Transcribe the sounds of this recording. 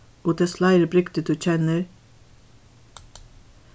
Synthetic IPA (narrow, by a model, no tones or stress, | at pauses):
oːd̪eːslæɪɾəbɾʏkt̪əd̪ʉːc͡çɛnəɾ